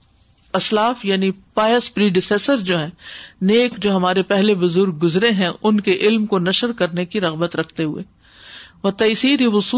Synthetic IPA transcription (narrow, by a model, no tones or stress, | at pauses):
ɐslaːfjaːnipaːjəspɾiːɖɪseːsəɾd͡ʒoːɦɛ̃ːneːkd͡ʒoːɦɐmaːɾepɛɦlebʊzʊɾɡ̚ːʊzɾeɦɛ̃ʔʊnkeʔɪlmkonɐʃəɾkɐɾnekiɾɐɣbət̪ɾɐkʰt̪eɦʊ̰ḛː | ʋɐt̪ɐsiːɾiʋʊsuː